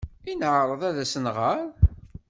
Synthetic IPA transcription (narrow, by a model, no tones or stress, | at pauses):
inʕɾˤəðˤæðæsənʁəɾˤ